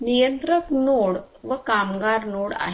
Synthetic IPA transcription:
nijənt̪ɾək̪noɽ | ʋəkamɡaɾnoɽa̰ɦ

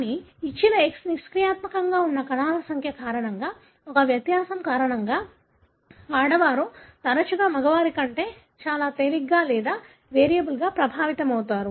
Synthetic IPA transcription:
kːniːt͡ʃːinɐeksniskɾijaːt̪mɐkɐŋɡaːunːɐkɐnaːlɐsɐŋkʰjɐkaːɾɐɳɐŋɡaː | ɔkɐʋjɐt̪jaːsɐmkaːɾɐɳɐŋɡaː | ʋaːɽɐʋaːɾut̪ɐɾɐt͡ʃuɡaːmɐɡɐʋaːɾikɐɳʈe̞ː | t͡ʃaːlaːt̪eliɡːaːlɛːd̪aː | ʋeːɾijɐbulɡaːpɾɐbʱaːʋit̪ɐmɐwt̪aːɾu

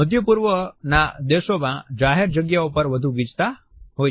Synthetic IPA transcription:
ət̪̬jəpuɾʋənad̪eʃomã̰d͡ʒaɦeɾd͡ʒəɡjaupəɾʋəd̪ʱũɡid͡ʒt̪a | ɦo

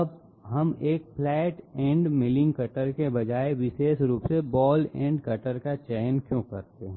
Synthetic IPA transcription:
ɐb | ɦɐmeːk̚fʰlɛːʈɛ̃ːɳɖmɪlɪ̃ŋɡkɐʈəɾkebɐd͡ʒaːeʋɪʃeːʃɾuːpsebɔːlɛ̰̃ːɳɖkɐʈəɾkat͡ʃɛːɦnkjõːkɐɾt̪eɦɛ̃

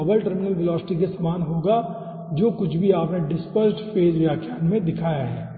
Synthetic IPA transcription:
bəlʈəɾmɪnəlbɪlɔːsɪ̥ʈik̬esɐmaːnɦoːɡa | d͡ʒoːkʊt͡ʃʰbʱiaːpneɖɪspəsʈfeːd͡ʒʋjaːkʰjaːnmẽd̪ɪkʰaːjaɦɛ̰ː

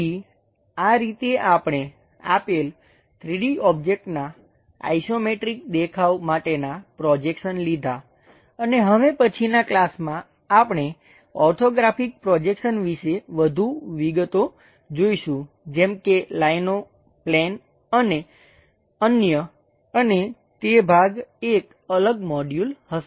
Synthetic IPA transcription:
i | aɾit̪eʔapɳ̃e | a̰pel | t̪ʰɾiɽiɔb̚d͡ʒek̚ʈna | a̰isomeʈɾik̚d̪ekʰaʋmaʈenapɾɔd͡ʒekʃənlid̪ʱa | əneɦəʋepət͡ʃʰinaklasmãː | pɳ̃e | ɔʈʰoɡɾafik̚pɾɔd͡ʒekʃənʋiʃeʋəd̪ʱuʋiɡət̪o | d͡ʒoiʃũ | d͡ʒɛmkelaino | plɛn | əne | ənjə | əne | t̪ebʱaɡek | ələɡmɔɖjulhəs

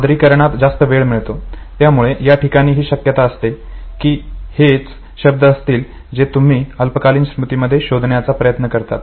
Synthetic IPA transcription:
d̪ɾiːkəɾɳ̃at̪d͡zast̪əʋeɭmiɭt̪ot̪jamuɭeʔjaʈikaɽ̃iːɦiːɕəkjət̪aəst̪ekiːhet͡s | ɕəb̚d̪əːst̪iːl | d͡zet̪um̤iːəlpəkaliːnsɾut̪iməd̪ʱːjeɕod̪ʱɳjat͡sapɾəjət̪nəkəɾt̪a̰t̪

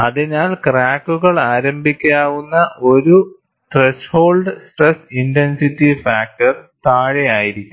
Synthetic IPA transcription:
ɐðinaːlkraːkːuɣɐɭaːɾɐmbʱikʲːaːʋunːɐʔo̞ɾu | ʈresho̞ːlɖɨsʈresintensitːifaːk̚ʈɐrt̪aːɻejaːjiɾikʲːum

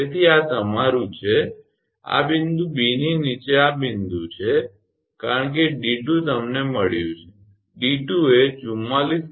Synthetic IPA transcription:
et̪ʰiat̪əmaɾũt͡ʃʰe | a̰bind̪ũbininit͡ʃeabɪnd̪ũt͡ʃʰe | kaɾəɳk̬eɖiʈũt̪əmneməɭjṵ̃t͡ʃʰe̥ | ɖiʈuet͡ʃumalis

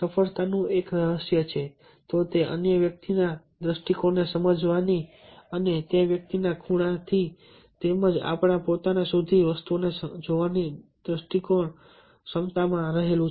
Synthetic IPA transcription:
səfəɭt̪anũeksəɦəsjət͡ʃʰe | t̪ot̪eʔə̰njəʋjək̚t̪ina | d̪ɾəsʈikonesəməd͡ʒʋani | ənet̪ẽʋjək̚t̪inakʰuɽ̃at̪ʰi | t̪eməd͡ʒa̰pɽ̃apot̪anasud̪ʱiʋəst̪uonesd͡ʒoʋanid̪ɾəsʈikoɳ | səmt̪amãɾəɦelũ

